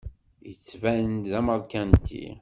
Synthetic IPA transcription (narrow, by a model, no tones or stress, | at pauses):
jət͡sːvæənðæməɾˤkænt̪ḭ